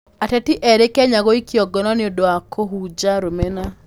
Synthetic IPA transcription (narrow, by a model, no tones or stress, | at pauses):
atɛtiʔɛɾekɛɲaɣoikjɔɡɔnɔneodoakʰoɦud͡ʒaɾomena